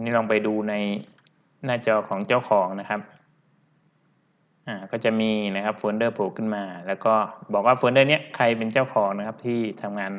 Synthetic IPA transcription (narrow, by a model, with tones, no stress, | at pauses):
niː˥˩lɔː˧ŋpa˧jduː˧na˧j | naː˥˩t͡ɕɔː˧kʰɔː˩˦ŋt͡ɕaː˥˩wkʰɔː˩˦ŋna˦˥kʰa˦˥p̚ | ʔaː˧˩kɔː˥˩wt͡ɕa˨˩miː˧na˦˥kʰa˦˥p̚foː˧˦ndɤː˥˩pʰoː˨˩kʰɯ˧˥˩nmaː˧lɛː˦˥wkɔː˥˩bɔː˨˩k̚waː˥˩foː˧ndɤː˥˩ni˦˥ɐkʰa˧jp̬e˧nt͡ɕaː˥˩wkʰɔː˩˦ŋna˧˥kʰa˦˥p̚t̪ʰiː˥˩t̪ʰa˧mŋaː˧n